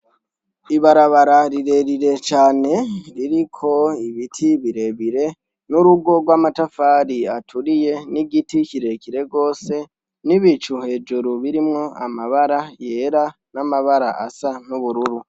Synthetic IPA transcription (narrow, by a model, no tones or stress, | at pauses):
iβaɾaβaɾaɾiɾe̞ɾiɾe̞t͡ʃaːne̞ɾiɾikʰo̞iβitʰiβiɾeβiɾe̞ | nuɾuɡo̞ɡwaːmatafaːɾiatʰuɾije̞niɟiticiɾe̞ciɾe̞ɡo̞ːse̞ | niβit͡ʃuhe̞ːd͡ʒuɾuβiɾimŋo̞a̰maβaɾaje̞ɾa | namaβaɾa̰ʔa̰sanuβuɾuɾu